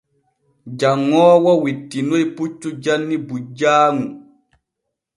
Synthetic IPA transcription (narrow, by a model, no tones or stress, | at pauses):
d͡ʒaŋːɔːwɔwitːinojput͡ʃːud͡ʒanːibud͡ʒaːŋu